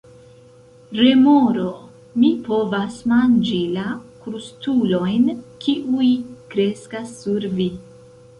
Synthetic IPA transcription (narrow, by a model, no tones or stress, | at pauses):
ɾe̞moɾo | mipo̞vasmand͡ʒilakɾustulo̞jnkʰiʔujkɾe̞skasːuɾvi